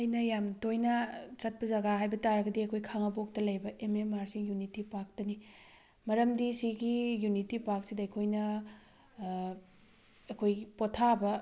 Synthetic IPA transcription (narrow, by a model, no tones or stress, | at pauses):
ɐjnɐjamtojnɐt͡ʃɐt̚pɐzɐɡaɦajbɐtaɾɐɡɐdiɐkʰojkʰaŋɐbok̚tɐlɐjbɐʔememaɾsiŋjunitipak̚tɐni | mɐɾɐmdisiɡijunitipak̚sidɐɐjkʰojnɐ | ɐkʰojpotʰabɐ